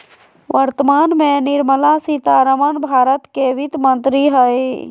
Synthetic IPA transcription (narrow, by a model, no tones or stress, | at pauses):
ʋəɾt̪əmaːnmẽnɪɾməlasit̪aɾəmənbʱaːɾət̪keʋit̪mənt̪ɾiɦəje